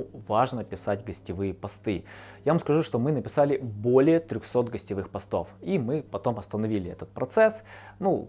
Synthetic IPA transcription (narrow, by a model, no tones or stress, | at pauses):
vaʐnəpʲɪsatʲɡəsʲtʲɪvɨjəpɐst̪ɨ | javamskɐʐuʂt̪o̞mɨnəpʲɪsalʲɪbo̞lʲɪjət̪ɾʲʊxso̞t̪ɡəsʲtʲɪvɨxpɐst̪o̞̰fimɨpɐt̪o̞mɐst̪ənɐvʲilʲɪɛ̰t̪ət̪̚pɾɐt̪sɛsnu